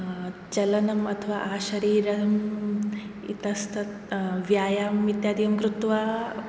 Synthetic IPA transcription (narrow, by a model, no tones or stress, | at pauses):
t͡ʃɐlɐnɐmɐt̪ʰɐʋaːʔaːʃɐɾiːɾɐm | ḭt̪ɐst̪ʰɐt̪ | ʋjaːjaːmit̪jaːd̪ijɐmɡɾut̪ʋaː